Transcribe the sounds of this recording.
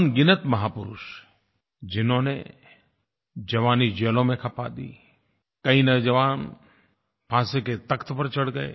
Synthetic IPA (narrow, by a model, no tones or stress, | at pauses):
nɡɪnət̪mɐɦaːpʊɾʊ̰ʃ | d͡ʒɪnõːnḛ | d͡ʒɐʋaːnid͡ʒeːlõmẽkʰɐpa̰d̪ḭː | kɐĩnɐd͡ʒɐʋaːn | pʰãːseket̪ɐkt̪ʰpəɾt͡ʃəɽɡəḛː